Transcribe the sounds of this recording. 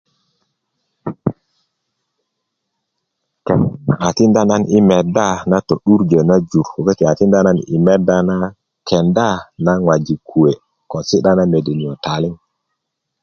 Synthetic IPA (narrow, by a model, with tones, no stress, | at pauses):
ke˨na̰˨a˨ti˦nda˦na˦ni˦me˨da˦˨na˦to˨ɗu˦ɾd͡ʒe˨na˦d͡ʒu˨ɾo˨ke˦ti˨a˨ti˦nda˦na˦nḭ˨me˦da˦na˦ | kʰe˨nda˦˨na˦ŋwa˨d͡ʒi˨kʰu˨we˨ | ko˨si˦ɗa˦na˦me˨de˨ni˨o˨ta˨li˦ŋ